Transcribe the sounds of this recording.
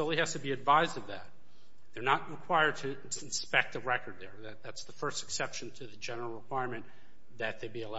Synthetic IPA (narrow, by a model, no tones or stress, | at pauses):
soʊlˠihæz̥tɨbiɨdvaɪzdʌvðæt̪̚ | ðə˞nət̚ɹɨkʰw̥aɪə˞d̚tʰɨ̃ | n̩spɛk̚təɹɛkə˞d̪̚ðə˞ðɨt̪̚ðætsðəfɜ˞stɨ̥ksɛpʃɨ̃n̩tʰɨðɨd͡ʒɛnə˞l̩ˠɹəkʰw̥aɪɹmɨ̃n | ðɨt̪̚ðeɪbiəla